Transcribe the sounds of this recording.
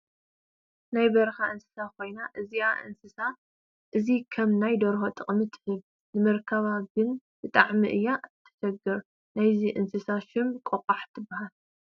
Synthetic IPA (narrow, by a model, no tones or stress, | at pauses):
najbɐɾxaʔɨnsɨ̥sakʰo̞jnaʔɨziaʔɨ̰nsɨsa | ʔɨzikʰɐmnajd̪oɾxot̪ʼɨχʼmit̪ʰħɨβ | nɨmɐɾkʰɐβaɡɨn | bɨt̪ʼaʕmiʔɨjːaʔt̪ʰːɐ̥ʃɐɡɐɾ | najziʔɨnsɨsaʃɪmkʼokʼaħt̪ʰɨbːahal